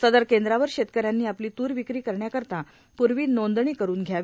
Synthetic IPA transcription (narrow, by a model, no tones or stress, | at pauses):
səd̪əɾkend̪ɾaʋəɾɕet̪kəɾjanːiːapliːt̪uːɾʋikɾiːkəɾɳjakəɾt̪a | puɾʋiːnond̪ɳiːkəɾuːnɡʱjaʋ